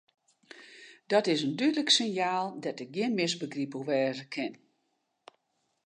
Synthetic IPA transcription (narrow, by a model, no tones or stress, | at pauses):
dɔtɪsəndydləksɪnjaːlˠdɛtɪk̚ɡjɪənmɪsbəɡripəlʋɛːzəkʰɪn